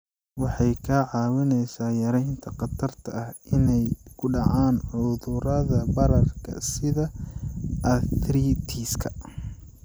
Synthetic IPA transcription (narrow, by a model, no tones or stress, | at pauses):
wɑħɑjkʰɐʕɑːwɪnɛjsaːjɐɾɛjnt̪ʰɐqɑt̪ʰɐrt̪ʰɐɐhɪnɛjkʰʊɖɑʕaːnʕʊðʊɾɐðɐbɐɾɐrkʰɐ̰sɪðɐ | ʔɐθɾiːt̪ʰiːskʰɐ